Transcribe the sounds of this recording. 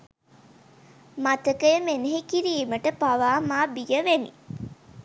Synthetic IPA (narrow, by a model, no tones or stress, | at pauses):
mat̪əkəjəmeneɦikiɾiːməʈəpaʋaːmaːbijəʋenḭ